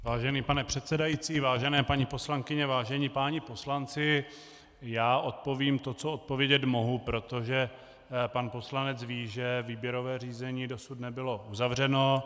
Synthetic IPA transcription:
vaːʒɛniːpanɛpr̝̥ɛt̪sɛdajit͡siːvaːʒɛnɛːpaɲipo̞slaŋkɪɲɛvaːʒɛɲipaːɲɪpo̞slant͡sɪ | jaːʔo̞t̪̚po̞viːmt̪o̞t͡soot̪̚povjɛɟɛt̪mo̞ɦupɾo̞t̪oʒɛ | panpo̞slanɛt͡sviːʒɛviːbjɛɾo̞vɛːr̝iːzɛɲiːdo̞sut̪nɛbɪlo̞ʔuzavr̝ɛno̞

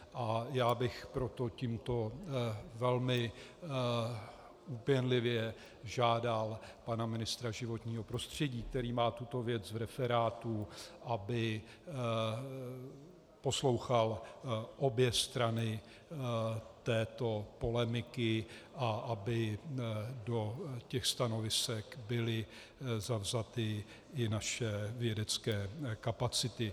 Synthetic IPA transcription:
ʔajaːbɪxpɾo̞t̪o̞ciːmt̪o̞ | vɛlmɪ | upjɛnlɪvjɛ | ʒaːdalpanamɪnɪst̪ɾaʒɪvo̞t̪ɲiːɦo̞pɾo̞st̪r̝̥ɛɟiːk̚t̪ɛɾiːmaːt̪ut̪o̞vjɛt͡svɾɛfɛɾaːt̪uʔabɪ | po̞slo̞wxalʔo̞bjɛst̪ɾanɪ | t̪ɛːt̪o̞po̞lɛmɪkɪʔaʔabɪ | do̞cɛxst̪ano̞vɪsɛkbɪlɪ | zavzat̪ɪ | ɪnaʃɛvjɛdɛt͡skɛːkapat͡sɪt̪ɪ

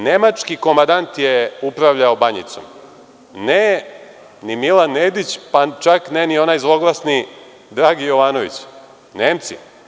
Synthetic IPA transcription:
ne̞mat͡ʃkiko̞mand̪ant̪jeupɾaʋʎaobaɲḭt̪som | ne | nimilanːeːd̪it͡ɕpat͡ʃaknenio̞najzlˠo̞ɡlˠasni | d̪ɾaːɡijo̞ʋaːno̞ʋḭt͡ɕ | neːmt̪sḭ

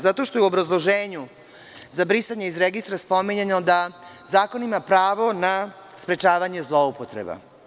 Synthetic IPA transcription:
zat̪o̞ʃt̪ojuobɾazlˠo̞ʒeːɲu | zabɾisaɲeizɾeɡist̪ɾaspo̞miɲenod̪a | zaːko̞nimapɾaːʋo̞na | spɾe̞t͡ʃaːʋaɲe̞zlˠo̞upot̪ɾḛba̰

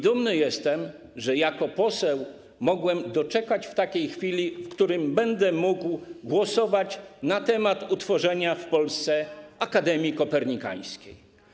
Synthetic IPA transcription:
d̪umnɘjɛst̪ɛm | ʐɛjakɔpɔsɛw | mɔɡwɛmd̪ɔt͡ʂɛkat͡ɕft̪akʲejxfʲilʲifkt̪uɾɘmbɛnd̪ɛmuɡwɡwɔsɔvat͡ɕnat̪ɛmat̪ut̪fɔʐɛɲafpɔlst̪sɛakad̪ɛmʲjikɔpɛɾɲika̰j̃skʲej

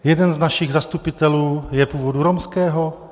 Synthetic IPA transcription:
jɛdɛnznaʃɪɣzast̪upɪt̪ɛluːjɛpuːvoduɾomskɛːɦo

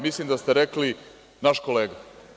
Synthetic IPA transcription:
mislimd̪ast̪eɾekli | naʃkoleːɡa

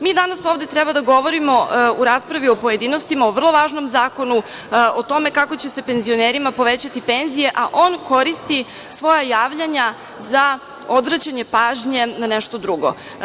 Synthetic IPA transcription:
miːd̪anasoːʋd̪et̪ɾɛbad̪aɡo̞ʋo̞ɾimo̞uɾaːspɾaʋio̞po̞je̞d̪ino̞st̪imaoʋr̩lˠo̞ʋaːʒno̞mzaːko̞nu | ot̪o̞me̞kako̞t͡ɕese̞pe̞nzio̞neɾimapo̞ʋe̞t͡ɕat̪ipe̞nzije̞ʔaʔo̞nko̞ɾist̪i | sʋo̞jajaːʋʎaɲa | za | o̞d̪ʋɾat͡ɕaɲe̞paːʒɲe̞naneʃt̪o̞d̪ɾuɡo̞̰

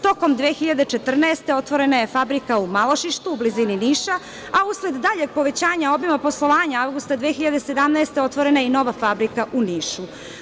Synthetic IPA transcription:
t̪o̞ko̞md̪ʋeːxiʎad̪et͡ʃe̞t̪r̩naest̪eo̞t̪ʋo̞ɾe̞naje̞fabɾikaumalo̞ʃiʃt̪uːblizininiːʃa | ausled̪ːaʎe̞ɡ̚po̞ʋe̞t͡ɕaːɲao̞bimapo̞slˠo̞ʋaːɲaavɡust̪ad̪ʋeːxiʎad̪e̞sed̪amnaest̪e̞o̞t̪ʋo̞ɾe̞naino̞ʋafabɾikaʔuniːʃu

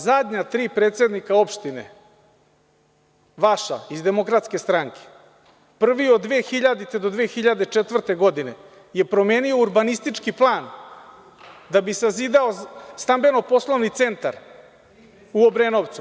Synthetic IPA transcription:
zad̪ɲat̪ɾiːpɾet̪se̞d̪nikao̞pʃt̪ine̞̰ | ʋaʃa̰izd̪e̞mo̞kɾat̪ske̞st̪ɾaŋkʰe̥ | pr̩ʋio̞d̪d̪ʋeːxiʎad̪it̪ed̪od̪ʋeːxiʎad̪et͡ʂe̞t̪ʋr̩t̪e̞ɡo̞d̪ine̞ | je̞pɾo̞me̞ːnio̞uɾbanist̪it͡ʂkiplˠaːn | d̪abisazid̪ao̞st̪ambe̞no̞po̞slˠo̞ʋnit̪se̞nt̪a̰ɾ | uobɾenoʋt̪su

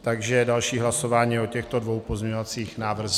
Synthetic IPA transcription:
t̪aɡʒɛdalʃiːɦlaso̞vaːɲiːocɛxt̪o̞dvo̞wpozmɲɛɲovat͡siːxnaːvr̩z

